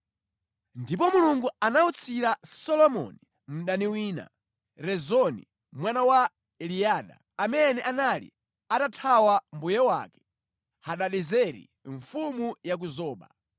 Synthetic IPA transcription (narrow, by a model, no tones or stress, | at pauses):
ndipɔmuluŋɡuanaut͡sʰiɾasɔlɔmɔ̰ni | m̩ɗaniwiːna̰ | ɾɛzɔnḭ | mwanawa | ɛliaːɗa̰ | amɛnɛʔanalḭ | atatʰawambujɛwa̰kɛ̥ | haɗaɗɛzɛɾḭ | ɱfumujak̬uzɔːɓa̰